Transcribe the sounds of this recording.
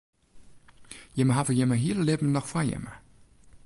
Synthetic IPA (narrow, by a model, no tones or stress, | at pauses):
jəməɦavəjəməɦiələlɪbm̩nɔxfajɛ̰mə